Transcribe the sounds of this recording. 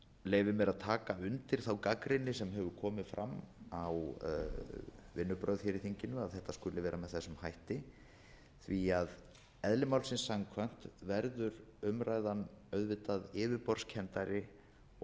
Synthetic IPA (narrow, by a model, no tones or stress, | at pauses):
leːjvɪmɛɾaðt̪ʰaːkaʏnt̪ɪɾ̥θawkakɾɪnːɪsɛmɦɛvʏkʰɔːmɪfɾʔa̰mːaw | vɪnːʏpɾœɥðçɛɾɪθiɲcɪnʏaðθɛht̪ːaskʏlɪvɛːɾamɛðθɛsːʏmhajht̪ɪ | θviað | ɛðlɪmawlsɪnsːaŋkʰvajn̥t̪vɛɾðʏɾʏmɾaːjðanœɥðvɪt̪aðɪːvɪɾpɔɾ̥scʰɛnt̪aɾɪ